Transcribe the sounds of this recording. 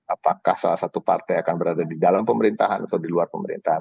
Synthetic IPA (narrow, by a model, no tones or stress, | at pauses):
apakahsalahsat̪upart̪ajakanbəɾadadidalampəməɾint̪aɦanʔat̪awdiluarpəməɾḭnt̪aɦan